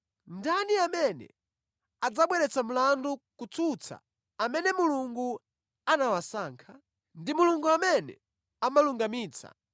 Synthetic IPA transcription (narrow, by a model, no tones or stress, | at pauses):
ndaniamɛnɛ̰ | ad͡zaɓwɛɾɛt͡sam̩landukut͡sut͡sʰa̰ | amɛnɛmuluŋɡu | anawasaːŋkʰa | ndimuluŋɡuamɛnɛ̰ | amaluŋɡamiːt͡sʰa̰